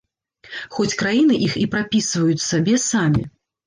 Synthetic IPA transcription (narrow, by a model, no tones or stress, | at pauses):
xɔt͡sʲkɾajin̪ɨʔixipɾapʲisvɐjut͡sʲsabʲɛsamʲḭ